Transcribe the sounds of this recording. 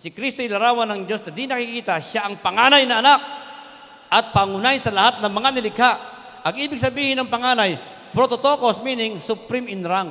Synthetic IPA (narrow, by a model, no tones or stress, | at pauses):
sɪkɾist̪oɪlɐɾaːwɐnːɐŋd͡ʒo̞snɐd̪inɐkikiːt̪aʃaʔɐŋpɐŋanajnɐʔɐnak̚ | ʔɐt̪̚paŋʊnajnsɐlɐhat̪̚nɐŋmɐŋanɪlɪɡhaʔ | ʔɐɡʔiːbɪɡ̚sɐbiːhɪnɐŋpɐŋaːnaj | pɾot̪ot̪oko̞smiːnɪŋsʊpɾɪmɪnɾaŋ